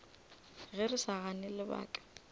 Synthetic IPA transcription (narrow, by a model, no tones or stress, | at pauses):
ɣɛrɪsaɣanɪlɪba̰ːkʼɛ̥